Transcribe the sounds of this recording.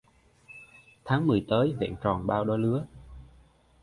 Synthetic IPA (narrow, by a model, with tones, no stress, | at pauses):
t̪ʰaː˨˦ŋmɨ˨˩əjt̪əː˨˦jvɛ̰˧˨nt͡ɕɔ˨˩nɓaː˧wɗo˨˧˦jlɨ˨˦ə